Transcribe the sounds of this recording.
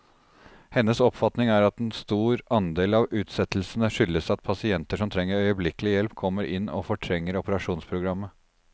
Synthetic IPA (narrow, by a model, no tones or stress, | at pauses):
hɛnːəsɔpfɑt̪nɪŋæɾɑt̪ɛnst̪uːɾʔɑnd̪eːlɑʋʉːt̪sɛt̪l̩sənəʂʏlːəsɑt̪̚pʰɑsɪɛnt̪əʂɔmt̪ʰɾɛŋːəɾœʏəblɪkəlɪjɛlpkʰɔmːəɾʔɪnːɔ̰fɔʈʰɾɛŋːəɾʊpəɾɑʂuːnspʰɾʊɡɾɑmːə